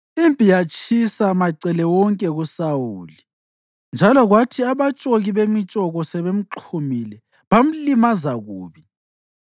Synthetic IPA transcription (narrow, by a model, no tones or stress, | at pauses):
impʼijat͡ʃʰʼisamaǀɛlɛwɔŋkʼɛɣusawuːli | nd͡ʒʱalɔɣwatʰiaβat͡ʃʼoɣiβemit͡ʃʼɔɣɔsɛβem̩ǃʰumilɛ | βam̩limazaɣuːβi